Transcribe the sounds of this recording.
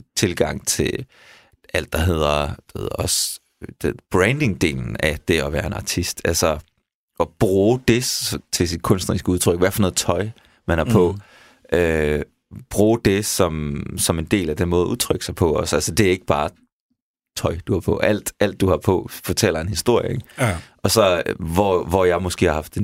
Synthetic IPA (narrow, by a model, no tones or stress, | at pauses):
t͡sʰe̝lɡ̥ɑ̈ŋ̰t͡sʰe̝ | æl̰d̥ɑ̈ɦe̝ð̞̰ˠɐd̥ahḛðˠɐɒ̽s | d̥eb̥ʁɛnd̥e̝ŋd̥e̝̰ːln̩æd̥e̝ɒ̽ʋæːɐe̝nɑ̈t͡sʰisd̥ælsɒ | ʔɒ̽b̥ʁuːd̥e̝t͡sʰe̝sid̥̚kʰɔ̽nsd̥nɐʁisɡ̥əuð̞ˠt͡sʰʁœɡ̥ʋæfɒ̽nɔ̽ːð̩ˠt͡sʰɒ̽ɪ | mænhæɐpʰɒ̽ | ʔø | b̥ʁuːd̥e̝sɒ̽msɒ̽me̝nd̥e̝̰ːlæd̥enmɔ̽ːðˠuðˠt͡sʰʁœɡ̥sɑ̈ɪpʰɒ̽ɒ̽sælsəd̥e̝æɐe̝ɡ̥əb̥ɑ̈ː | t͡sʰɒ̽ɪd̥uhɑ̈pʰɒ̽ʔæl̰d̥ʔæl̰d̥ːuhɑ̈pʰɒ̽fɒ̽t͡sʰel̰ɐe̝nhisd̥o̝ɐ̰jəeɡʔɒ̽sɒ̽ʋɒʋɒjɑ̈ɪmɔ̽sɡ̥e̝̰ːhɑ̈ɦɑfd̥e̝